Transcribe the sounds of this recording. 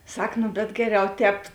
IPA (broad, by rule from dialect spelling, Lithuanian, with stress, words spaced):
ˈsɐk nʊ bʲɛt ˈɡʲæːˌrʲɛʊ ˈtʲɛːp